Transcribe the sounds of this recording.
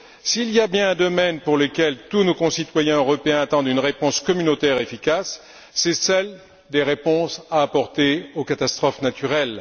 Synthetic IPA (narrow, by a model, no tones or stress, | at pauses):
silijabjɛ̃ɛ̃d̪ɔmɛnpuʁləkʲɛlt̪unokɔ̃sit̪wajɛ̃øʁɔpeɛ̃at̪ɑ̃d̪ynʁepɔ̃skɔmynot̪ɛʁefikasː | ɛsɛl | d̪eʁepɔ̃saːpɔʁt̪eokat̪ast̪χɔfnat̪yʁɛl